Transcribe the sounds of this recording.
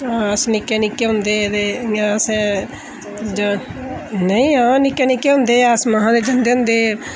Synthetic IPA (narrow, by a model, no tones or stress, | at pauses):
asnɪkːenɪkːeɦʊ̃nd̪eːd̪eãsɛ | d͡ʒ | nəĩãːnɪkːenɪkːeɦʊ̃ːnd̪eːaːsmaɦãd̪ed͡ʒənd̪eːɦʊ̃nd̪eː